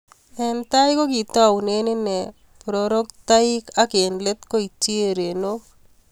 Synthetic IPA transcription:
ɛ˨nt̪a˦jɪko˦ki˨t̪ɔ˦a˨wne˦nɪ˦nɛ˨ | pɾoɾo˦kt̪a˦ɪ˦ka˦ke˨nle˦t̪ko˦i˨t͡ʃe˦ɾe˨no˦

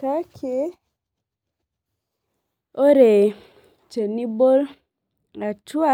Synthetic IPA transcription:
ka˦kʰe˨˦ | o˦ɾe˨ | t͡ʃe˨ni˦bo˦l | a˨t͡ʃu˦a˦

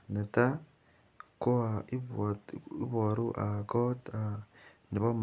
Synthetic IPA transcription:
ne˨ta˦ | ko˦a˨iβi˦βo˨ɾuʔa˨ko˦ta˨ | ni˨βo˦m

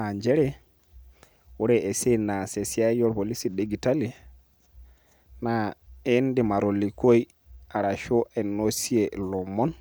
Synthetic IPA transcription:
a˨ɲd͡ʒɛ˦ɾɛ˦ | wu˦ɾɛe˨se˦na˨se˨si˦a˦jɔ˦ɾpo˨li˦si˨de˨ɡi˨ta˦li˦ | nae˦ndi˨ma˨ɾo˨lːi˨ko˦j | a˨ɾa˨ʃo˦ʔɛ˨nːo˦si˦elɔ˨mɔ˦n

